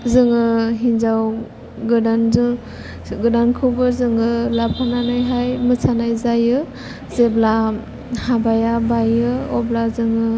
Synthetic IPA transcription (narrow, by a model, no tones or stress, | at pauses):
zɯŋɯɦinzaw | ɡɯdanzɯ | ɡɯdankʰɯwbɯzɯŋɯlapʰananajɦajmɯsʰanajzajɯ | zebla | habajabajɯɔblazɯŋɯ